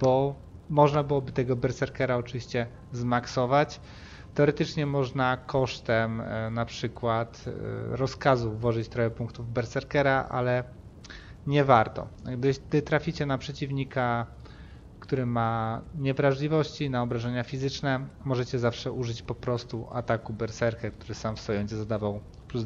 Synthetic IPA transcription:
b̥ɔ | mɔʐnabɘwɔbɘt̪ɛɡɔbɛɾsɛɾkɛɾaɔt͡ʂɘvʲiɕt͡ɕɛ | zmaksɔvat͡ɕ | t̪ɛɔɾɛt̪ɘt͡ʂɲɛmɔʐnakʰɔʂt̪ɛmnapʂɘkwat̪ɾɔskazuvːɔʐɘt͡ɕt̪ɾɔjɛpuŋkt̪uvbɛɾt̪sɛɾkɛɾaʔa̰lɛ | ɲɛvaɾt̪ɔ̰ɡd̪ɘd̪ɘt̪ɾafʲit͡ɕɛnapʂɛt͡ɕivɲika | kt̪uɾɘmaɲɛvɾaʐlʲivɔɕt͡ɕinaɔbɾaʐɛɲafʲizɘt͡ʂnɛmɔʐɛt͡ɕɛzafʂɛʔuʐɘt͡ɕpɔpɾɔst̪uʔa̰t̪akubɛɾsɛɾkɛk̚t̪uɾɘsamfsfɔjɔ̃wd͡ʑɛzad̪avaw | pu

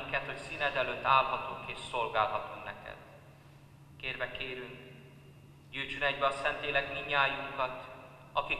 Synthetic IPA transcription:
ŋkɛt̪ho̞csiːnɛd̪ɛløt̪ːaːlɦɒt̪uŋkeːʃsolɡaːlɦɒt̪uŋnɛ̰kɛ̰d̪̥ | keːrvɛkeːɾyŋk | ɟyːt͡ʃønɛɟbɛɒsɛnt̪leːlɛkmiɲːaːjuŋkɒt̪ | ɒki

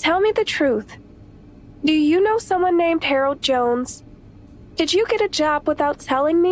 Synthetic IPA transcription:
tʰɛlˠmiðɨtʰɹ̥uθ | d̥ɨjɨnoʊsʌ̃mwʌ̃nːẽɪ̃md̥̚hɛɹl̩ˠd̚d͡ʒõʊ̃nz̥ | d̥ɨd͡ʒɨɡɛɾɨd͡ʒɑbwəθaʊtʰɛlˠɪ̃ŋmi

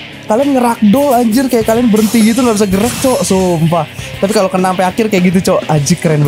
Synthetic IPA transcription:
kalianŋɡəɾak̚dɔlaɲd͡ʒərkajaʔkalianbəɾənt̪iit̪̬uŋabis̬aɡəɾak̚t͡ʃɔʔsompat̪apikalokənaŋpaakɪrkajaʔɡit̪̬ut͡ʃɔʔad͡ʒikɾɛnb

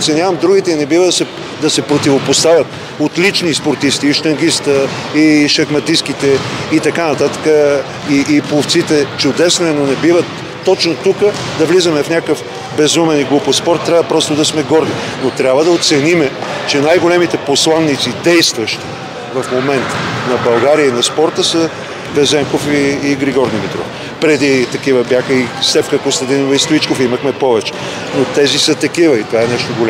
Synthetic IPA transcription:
ot̪sɛnʲjavɐmd̪ɾuɡ̟it̪ɛinɛbivəd̪ɐsɛ | d̪ɐsɛpɾot̪ivopost̪avʲjɐt̪ | ot̪lit͡ʃnispoɾt̪ist̪iːʃt̪ɐŋɡist̪əiʃɐxmɐt̪iskit̪ɛit̪ɐkanɐt̪at̪ə̥kə | iʔːplˠoft̪sit̪ɛt͡ʃʊd̪ɛsnoɛnonɛbivət̪ː | ɔt͡ʃnot̪ukə | d̪ɐvlizəmɛfnʲakəf | bɛzumɛniɡlˠupospɔɾt̪ːɾʲabvəpɾɔst̪od̪ɐsmɛɡɔɾninot̪ɾʲjabvəd̪ɐot̪sɛnimɛt͡ʃɛnajɡolɛmit̪ɛposlˠanːit̪sid̪ɛjst̪vɐʃt̪i̥ | vɐfmomɛnt̪nɐbɐlˠɡaɾiəinɐspɔɾt̪əsə | bɛzɛŋkofiːɡɾiɡɔɾd̪imit̪ɾɔ̰ | pɾɛd̪it̪ɐkivəbjaxəisɛfkəkost̪ɐd̪inovɐist̪oit͡ʃkofiməxmɛpɔvɛt͡ʃɛ̥ | not̪ɛzisət̪ɐkivəit̪ovaɛnɛʃt̪oɡola

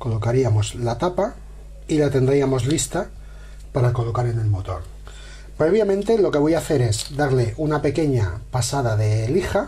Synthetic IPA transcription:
ko̞lo̞kaɾiamo̞zlat̪apa | ilat̪e̞nd̪ɾiamo̞zlist̪a | paɾako̞lo̞kaɾe̞ne̞lmo̞t̪o̞̰ɾ | pɾe̞β̞jamẽnt̪e̞lo̞ke̞β̞o̞jaθe̞ɾe̞zd̪aɾle̞ʔunape̞ke̞ɲapasaðaðe̞lixa

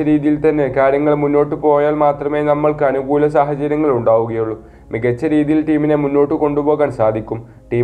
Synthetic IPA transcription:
ɐɾiːðijilt̪ɐnːe̞kaːɾjɐŋːɐɭmunːo̞ːʈːɨpo̞ːjaːlmaːt̪rɐme̞ːnɐmːɐɭkɐnuɡuːlɐsaːɦɐt͡ɕɐɾjɐŋːɐɭuɳɖaːʋuɣɐjuɭːu | miɡɐt͡ɕːɐɾiːðijilʈiːmine̞munːo̞ːʈːɨko̞ɳɖupo̞ːɣaːnsaːd̪ʱikʲːum | ʈiː

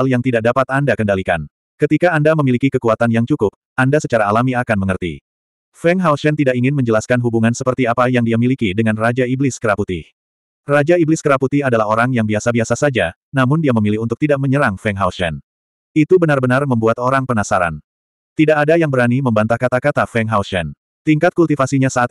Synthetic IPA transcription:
aljaŋt̪idak̚dapat̪andakəndalika̰n | kət̪ikaːndaməmilikikəkuat̪anjaŋt͡ʃukʊp̚ | ʔandasət͡ʃaɾaːlamiakanməŋərt̪ḭ | fɛŋɦawsɛnt̪idakiŋɪnməɲd͡ʒəlaskanɦubuŋansəpərt̪iapajaŋdiamilikidəŋanrad͡ʒaiblɪskəɾaput̪i | rad͡ʒaiblɪskəɾaput̪ihadalaɦoɾaŋjaŋbiasabiasasad͡ʒa | namʊndiaməmilɪhunt̪ʊk̚t̪idaʔ̚məɲəɾaŋfɛŋɦawsɛ̰n | it̪ubənarbənarməmbuat̪oɾaŋpənasaɾa̰n | t̪idaʔadajaŋbəɾaniməmbant̪ahkat̪akat̪afɛŋɦawsɛn | t̪iŋkat̪̚kult̪ifasiɲasaʔːt̪̚

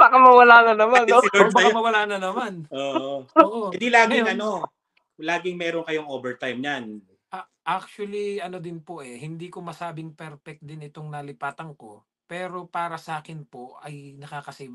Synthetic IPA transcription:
b̥aːkɐmɐwɐlaːnɐnɐmanːoobaɐamɐwɐlaːnɐnɐmanoːʔoʔoɪd̪ilaːɡɪɐno | laːɡɪŋmɛːɾonkɐjoŋoːbɛɹt̪ajmɲan | ʔɐ | ʔak̚t͡ʃʊɐliɐno̞d̪ɪnpoʔɛhɪnd̪iːkomɐsaːbɪŋpɛɾpɛk̪̚d̪ɪnɪt̪o̞ŋnɐlɪpaːt̪ɐŋko̞ | pɛːɾo̞paːɾɐsɐʔaːkɪnpoɐ̰jnɐkaːkɐsiːb

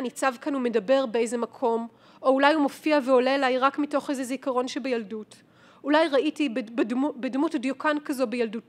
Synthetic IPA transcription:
anit͡savkanume̞dɐbe̞ʁbeejze̞makʰo̞m | ʔoulajhumo̞fiaveo̞leːlajʁakmito̞χejzezikɐʁo̞nʃebejaldut | ulajʁaitibbdmubedmutdjokankazo̞bejaldut

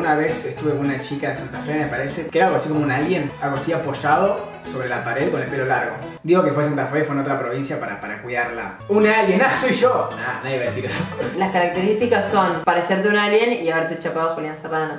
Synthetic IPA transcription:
unaβesest̪uβekounat͡ʃikaðesant̪afemepaɾesekeɾaalɣoasiko̞mounalje̞naɣosiapo̞ʃaðo̞ | so̞βɾelapaɾeðko̞nelpe̞lo̞laɾɣo̞ | d̪iɣo̞kefwes̬ant̪afefwenot̪ɾapɾo̞β̞insjapaɾa̰paɾakwiðaɾla̰ | unaljenasojʒonanaðjeβaðesiɾesolaskaɾak̚t̪eɾist̪ikasːonpaɾeseɾt̪̬eunalje̞niaβeɾt̪et͡ʃapaðopoliansaraɾno

